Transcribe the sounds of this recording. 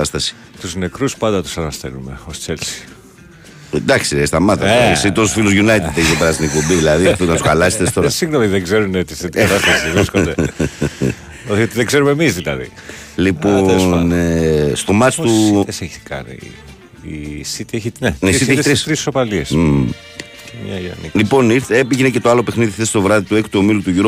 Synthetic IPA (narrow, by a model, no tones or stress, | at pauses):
ɐst̪ɐsi̥ | t̪uzne̞kɾuspɐnd̪ɐt̪u̥sɐnɐst̪ḛlume̞̰ost͡selsi̥ | d̪ɐksiest̪ɐmɐt̪ɐsit̪ososfiluzʝunɐjt̪id̪eçit̪epeɾɐst̪inek̚pombiðilɐðifonɐt̪uxɐlɐset̪est̪o̞ɾɐsiŋɣnomiðeɡzeɾunet̪iset̪iɐt̪ɐst̪ɐsivɾiskod̪e | oot̪iðeɡze̞ɾume̞mizðilɐðḭ | liponest̪o̞mɐt͡stt̪useç̥kɐ̰nḭ | isit̪ieçineisit̪eçst̪isɾisopɐlies | mɲɐɐ̰nḭlipo̞niɾθeepiʝenece̞t̪o̞ɐlo̞pexniðiθest̪o̞vɾɐðit̪uekt̪uomilut̪uʝuɾo